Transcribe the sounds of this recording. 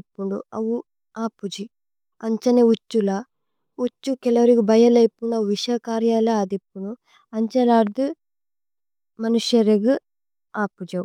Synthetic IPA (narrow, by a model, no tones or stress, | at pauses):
pːuɳɖṵɐ̰wu | aːpːud͡ʒi | ɐɲt͡ʃɐneut͡ʃːula | ut͡ʃːukɛlɐʋɐɾiɡubɐjɐlɐjpːuɳɖɐuʋiʂɐkaːɾjaːlɐaːd̪ipːunu | ɐɲt͡ʃɐlaːɾd̪u | mɐnuʃɐɾeɡu | aːpːud͡ʒɐwu